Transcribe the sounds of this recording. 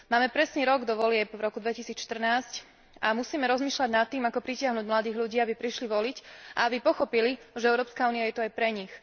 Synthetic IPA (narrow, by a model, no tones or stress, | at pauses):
maːmɛpɾɛsɲɛɾɔɡd̪ɔʋɔlɪɛpvɾɔkud̪ʋɛcisiːt͡sʃt̪r̩naːsc | amusiːmɛɾɔzmiːʃlaɟnat̪ːiːmakɔpɾicɪaɦnuːɟmlad̪iːɣlʎuɟiːabipɾiʃliʋɔlicʔa̰abipɔxɔpiliʒɛɛʊɾɔːpskauːniajɛt̪ɔajpɾɛɲix